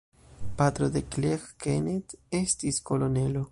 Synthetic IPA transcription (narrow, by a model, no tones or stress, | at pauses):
pat̪ɾoðeklexkenet̪est̪iskolonelo